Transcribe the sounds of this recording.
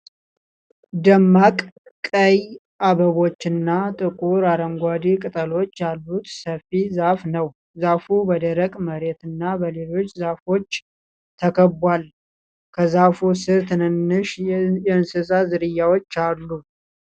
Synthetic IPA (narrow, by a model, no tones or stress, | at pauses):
d̪əmːakʼ | kʼəj | ʔaβəβo̞t͡ʃːɨnːat̪ʼɨkʼuɾaɾəŋɡʷad̪ikʼɨt̪ʼəlo̞t͡ʃːjalːut̪səfizafnəw | zafubəd̪əɾəkʼməɾe̞t̪ɨnːabəlelo̞t͡ʃːzafo̞t͡ʃː | t̪ʰəkʰəbʷal | kʰəzafusɨɾt̪ʰɨnɨnːɨʃjɛɨnsɨsazɨɾɨjːawot͡ʃːalːu